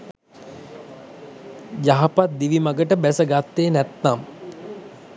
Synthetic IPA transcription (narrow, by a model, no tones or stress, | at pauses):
jaɦapat̪̚d̪iʋimaɡəʈəbæsəɡat̪ːeːnæt̪ːam